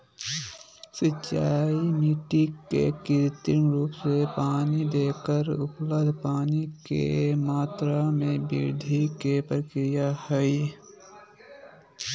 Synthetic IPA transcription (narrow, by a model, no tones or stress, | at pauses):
sət͡ʃːaːimiːʈikːḛkɪɾt̪ɪnɾuːpsepaːnid̪eːkəɾʊpləbd̪ʱpaːnikḛmaːt̪ɾamẽbḭɾd̪ʱikepɾəkɾɪjahɛi